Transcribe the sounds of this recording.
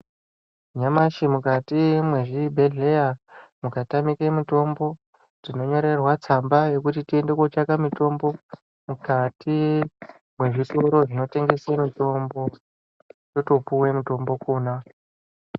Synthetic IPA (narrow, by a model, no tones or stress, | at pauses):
ɲamaʃimukatimweʐibʱe̞ɮe̞jamukatamikemito̞mbo̞ | d͡zino̞ɲo̞ɾe̞rwat͡sambaje̞kutitie̞nde̞kot͡ʃakamito̞mbo̞ | mukati | mwe̞ʐitoɾo̞ʐino̞te̞ŋɡe̞semito̞mbo̞ | jo̞to̞puwe̞muto̞mbo̞koːna